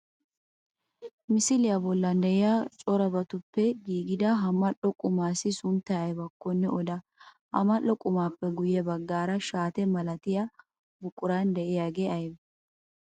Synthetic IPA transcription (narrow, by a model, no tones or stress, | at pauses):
mɪsɪlɪjɐbɔlːɐnd̪ɛʔɪjat͡ʃʼɔɾɐbɐt̪ʊpːɛɡiːɡɪd̪ɐɦɐmːɐlɔkʼʊmaːsɪsʊnt̪ːɐɐjbɐkːɔnːɛɔd̪ɐ | hɐ̰mɐlːɔkʼʊmaːpːɛɡʊjɛbɐɡːaːɾɐʃaːt̪ɛmɐlɐt̪ɪjɐ | bʊkʼːʊɾand̪ɛʔɪjaːɡeɐjb